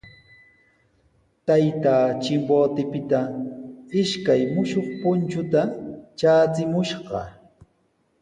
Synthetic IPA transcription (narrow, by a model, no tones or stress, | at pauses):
t̪ajt̪aːt͡ʃɪmboːt̪ɪpɪt̪a | ɪʃkajmʊʃoχpʊnt͡ʃʊt̪at͡ʃaːt͡sɪmʊʃɢɑ̰